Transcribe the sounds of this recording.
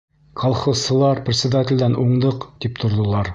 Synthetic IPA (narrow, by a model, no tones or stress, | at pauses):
kʰɑlˠχɤ̆ssɤ̆lˠɑɾprʲt̪sʲɪd̪atʲɪlʲd̪ænuɴd̪ɤqt̪ipt̪ʰŏɾd̪ɤ̆lˠɑɾ